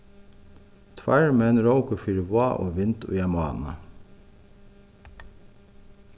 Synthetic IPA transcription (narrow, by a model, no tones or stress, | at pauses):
t̪ʰʋæɹmeːenɹoʊkəfɪɾʋɑːʔo̰ːʋɪnt̪ʰo̰ːjæmʊɑ̰ːnɑ̰